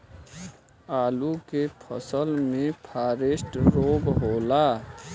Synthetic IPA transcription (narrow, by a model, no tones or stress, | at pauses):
aːlukepʰə̰səlmẽpʰaːɾesʈɾoːbɦoːlaː